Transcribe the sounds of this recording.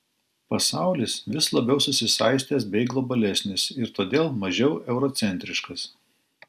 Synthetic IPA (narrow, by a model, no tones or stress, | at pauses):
pɐsɑˑʊlʲɪsʋʲɪslˠɐbʲɛʊsʊsʲɪsɑˑɪsʲt̪ʲeːs̬bʲɛɪɡlˠɔbɐlʲɛsʲnʲɪsɪɾt̪oːd̪ʲeːlˠmɐʒʲɛʊɛʊɾɔt̪sʲɛnʲt̪ʲɾʲɪʃkɐs